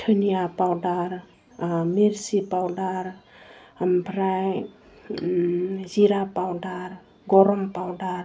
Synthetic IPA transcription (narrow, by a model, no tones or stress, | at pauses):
tʰɯnijapawdaɾ | miɾsipawdaɾ | mpʰɾaj | ziɾapawdaɾ | ɡɔɾɔmpawdaɾ